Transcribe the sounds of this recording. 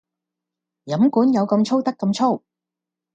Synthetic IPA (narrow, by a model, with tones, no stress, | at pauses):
jɐ˨˥mkuː˨˥njɐ˨˧wkɐ˧mt͡ʃʰo˥wt̪ɐ˥kːɐ˧mt͡ʃʰo˥w